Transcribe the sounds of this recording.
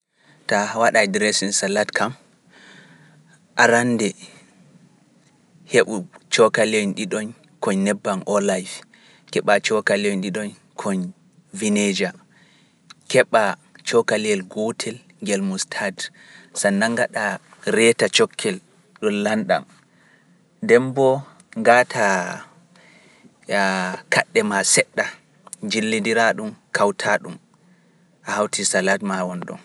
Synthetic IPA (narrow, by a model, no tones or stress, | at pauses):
tawaɗajdɾɛsinsalatkʰam | ʔaɾandɛ | heɓut͡ʃɔkalɔnɗiɗɔn | kɔɲnɛbːanʔɔlajf | kɛɓat͡ʃɔkaliɔnɗiɗɔn | kʰɔɲ | vined͡ʒa | kɛɓat͡ʃɔkaliɛlɡɔtʰɛl | ŋɡɛlmustʰad | sanːaŋɡaɗa | ɾɛtat͡ʃɔkʰːɛl | ɗɔnlanɗa̰m | dɛmbɔ | ŋɡatʰa | kʰaɗːɛmasɛɗːa | d͡ʒilːidiɾaɗumkʰawtʰaɗum | ʔahawtʰisaladmawɔnɗɔ̰n